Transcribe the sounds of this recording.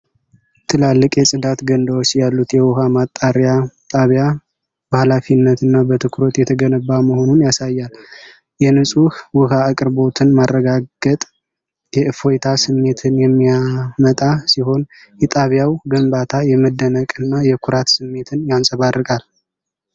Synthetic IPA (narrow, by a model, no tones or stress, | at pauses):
t̪ʰɨlalːɨkʼjɛsʼɨd̪at̪ɡənd̪awot͡ʃːjalːut̪jɛwʊhamat̪ʼːaɾjat̪ʼaβja | bəhalafinːət̪ɨnːabət̪ʰɨkʰɾo̞t̪jɛt̪ʰəɡənəbːaməho̞nunjasajːal | jɛnɨsʼuhwʊɦaːkʼɨɾbo̞t̪ʰɨnmarːəɡaɡ̥ət̪ʼ | jɛʔɨfojt̪ʰasɨmːe̞t̪ʰɨnjɛmːijamət̪ʼasiɦo̞n | jɛt̪ʼaβjawɡəmbat̪ʰajɛməd̪ənəkʼɨnːajɛkʰʊɾat̪sɨmːe̞t̪ʰɨnjansʼəβarːɨkʼal